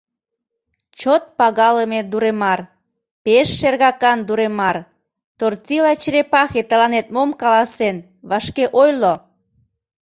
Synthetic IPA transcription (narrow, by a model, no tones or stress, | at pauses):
t͡ɕot̪̚pɑɣɑləmed̪uɾemɑr | peʃːerɣɑkɑnd̪uɾemɑr | t̪ort͡silɑt͡ɕɾepɑxet̪əlɑnet̪̚momkɑlɑsen | βɑʃkeʔojlo